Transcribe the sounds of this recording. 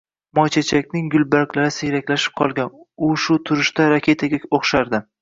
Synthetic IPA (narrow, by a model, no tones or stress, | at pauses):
mɒt͡ʃʰat͡ʃʰakʲnɪŋɡʊlbaɾkʲlaɾɪseɾakʲlaʃɪ̥p̚qʰɒlˠɡʲanʊʃʊt̪ʰʊɾɪʃd̪aɾakʲʰe̞t̪ʰaɡʲakoχʃaɾd̪ɪ